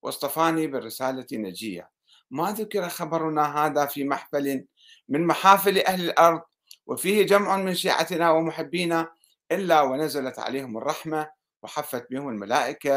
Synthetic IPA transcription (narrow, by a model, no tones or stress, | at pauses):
wʔɨ̰sˤt̪ˤɑfaːnibɪrːɪsaːlanad͡ʒɪjːa̰ | maðʊkɪɾɑxɑbɑɾˤnaɦaːðafimaħfali | mɪnmaħaːfɪlʔahlɪlʔɑɾˤðˤ | wɪfiːhɪd͡ʒamʕʊnmɪnʃiːʕa̰t̪nawɪmʊħɪbːiːna | ʔɪlːawɪnazalat̪ʕa̰leːhʊmɨrˤːɑħma | wɪħafːat̪̚biːhʊmɪlmalaːʔɪka